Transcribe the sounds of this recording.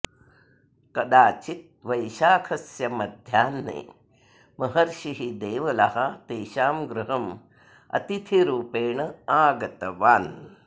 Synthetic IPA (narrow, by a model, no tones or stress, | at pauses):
kɐd̪aːt͡ʃit̪̚ | ʋɐjʃaːkʰɐsjɐmɐd̪ʱjaːnːḛː | mɐɦɐɾʃiɦid̪eːʋɐlɐɦɐt̪eːʃaːmɡɾuɦɐm | ɐ̰t̪it̪ʰiɾuːpeːɳɐaːɡɐt̪ɐʋaːn